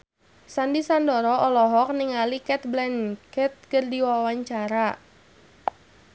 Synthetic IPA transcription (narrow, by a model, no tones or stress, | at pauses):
sandisandɔɾɔʔɔlɔɦɔk̚niŋalikɛt̪̚blɛnkɛt̪̚kərdiwawaɲt͡ʃaɾa